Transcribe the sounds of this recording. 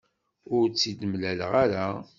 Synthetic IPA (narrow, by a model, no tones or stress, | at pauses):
ʊɾt͡sːid̪əmlælʁaɾa